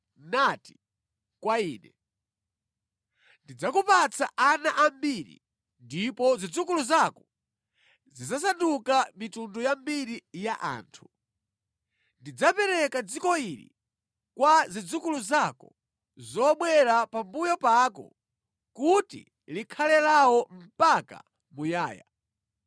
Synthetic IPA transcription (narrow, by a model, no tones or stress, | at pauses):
nati̥ | kwaiːnɛ | ndid͡zakupat͡sʰa̰ʔanaʔambiɾḭ | ndipɔzid͡zukuluzakɔ | zizas̬andukamitundɔjambiɾijaʔa̰ːntʰu̥ | ndid͡zapɛɾɛkad͡zikɔiɾḭ | kwazid͡zukuluzakɔ | zɔɓwɛɾapambujɔpakɔ̰ | kutḭ | likʰalɛlawɔm̩paka̰ | mujaːja̰